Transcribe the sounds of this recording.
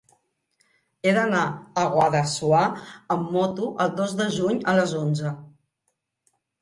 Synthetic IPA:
eðənaəɣwaðəsuaəmːɔt̪uʔəlˠd̪ozðəʒuɲələzonzə

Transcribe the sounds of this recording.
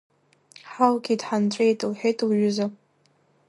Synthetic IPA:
ħalɡʲidħant͡ɕʷʼejtʼɨlħejtʼlʒʊza

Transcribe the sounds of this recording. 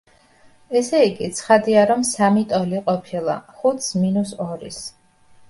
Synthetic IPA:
ɛsɛiɡit̪sʰχad̪iaɾɔmsamit̪ʼɔliqʼɔpʰilˠa̰χut̪sminusɔɾḭs

